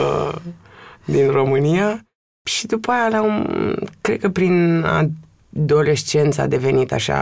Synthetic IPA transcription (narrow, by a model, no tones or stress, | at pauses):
ə̰ | d̪inro̞mɨnija | ʃid̪upajalaumkɾe̞d̪̚kəpɾina̰ | d̪o̞le̞st͡ʃe̞nt̪sa̰d̪e̞ve̞nit̪a̰ʃa̰